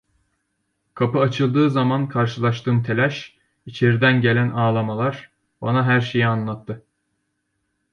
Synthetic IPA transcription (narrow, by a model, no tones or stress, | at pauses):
kʰapɯat͡ʃʰɯlˠd̪ɯːzamankʰaɾʃɯlˠaʃt̪ɯːmt̪ʰe̞lʲæʃ | it͡ʃʰeɾid̪ænɟe̞lʲænʔaːlˠamalˠaɾ̥ | banaɦæɾʃejianlˠat̪ʰːɯ